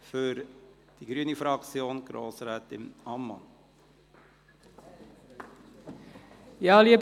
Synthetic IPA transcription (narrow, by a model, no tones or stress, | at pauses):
fʏɾ | d̥iɡ̥ɾyənifɾɑkt͡sjoːnɡ̥ɾo̰ːsɾɛːtɪ̰mɑmːɑ̰n | jɑːliə